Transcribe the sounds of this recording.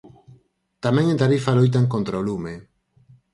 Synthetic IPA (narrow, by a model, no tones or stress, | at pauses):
t̪amɛ̃ŋẽnt̪aɾifalojt̪̬aŋkont̪ɾaolume